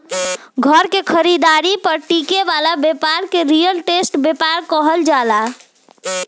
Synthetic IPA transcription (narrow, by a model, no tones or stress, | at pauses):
ɡʱəɾkekʰəɾid̪aɾipəɾʈikebalabepaɾkeɾijəlʈesʈbepaɾkəɦəld͡ʒala